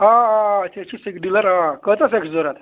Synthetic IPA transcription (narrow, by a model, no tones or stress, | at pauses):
ɦãɦãt̪et͡ɕiːsikɖiləɾɦãkət͡s̪ət͡seksd͡zɔɾat̪